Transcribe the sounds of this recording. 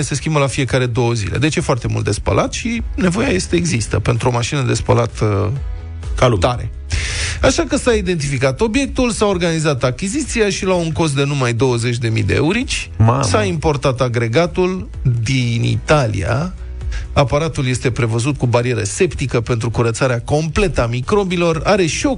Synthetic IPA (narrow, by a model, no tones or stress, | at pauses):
ese̞skʲimbəlafie̞kaɾe̞d̪o̞wəzḭle̞̰d̪e̞t͡ʃje̞foart̪e̞mult̪d̪e̞spə̰lʔat̪ʃine̞vo̞jaje̞st̪eeɡzist̪ə̰pe̞nt̪ɾuo̞maʃinəd̪e̞spə̰lat̪ | t̪aɾe̞̰ | aʃakəsaid̪e̞nt̪̬ifikat̪o̞bje̞k̚t̪ulsao̞rɡanizat̪akʲizit̪siaʃilauŋko̞s̬t̪d̪e̞numajd̪o̞wəze̞t͡ʃʲd̪e̞mḭd̪e̞̰ḛuɾit͡ʃʲsaimpo̞rt̪at̪aɡɾe̞ɡat̪ul | d̪inḭt̪alḭa̰ | apaɾat̪ulje̞st̪e̞pɾe̞vəzut̪̚kubaɾije̞ɾəse̞pt̪ikəpe̞nt̪ɾukuɾət̪saɾeako̞mple̞t̪əamikɾo̞bilo̞raɾe̞ʃio̞